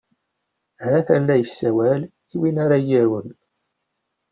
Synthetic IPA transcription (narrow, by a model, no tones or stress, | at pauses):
hæθænːæjəsːæwæl | iwinaɾajiɾən